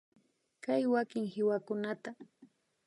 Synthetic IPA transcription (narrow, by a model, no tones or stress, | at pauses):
kajwakɪŋhɪwakʊnat̪a